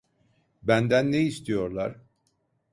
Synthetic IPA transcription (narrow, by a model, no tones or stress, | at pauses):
bænd̪ænːeist̪ʰijo̞ɾlˠa̰ɾ̥